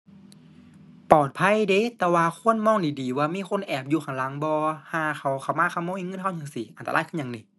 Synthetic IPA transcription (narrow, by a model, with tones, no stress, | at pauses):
pɔː˨˩t̪̚pʰa˧˥˨jde˧˦t̪ɛː˧waː˧kʰu˧˥˨ənmɔː˧˥˨ŋdiː˨˩diː˨˩waː˧miː˧˥˨xʰo˧˥˨nʔɛː˨˩p̚juː˧˩xʰa˨˧˩ŋla˨˦ŋbɔː˧haː˧˩ka˧˩wkʰa˧˩wmaː˧˥˨kʰa˧˩˨mɔː˧˥˨i˧˨ŋɤ˧˥˨nhʰa˧˩˨ɲa˨˩˨ŋsi˨˦ʔa˨nt̪a˧aː˧˥˨jkʰɯ˧˥˨ɲa˨ŋniː˧˦